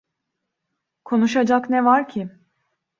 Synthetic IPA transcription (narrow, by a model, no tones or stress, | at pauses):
kʰo̞nuʃad͡ʒaknɛvaɾcʰɪ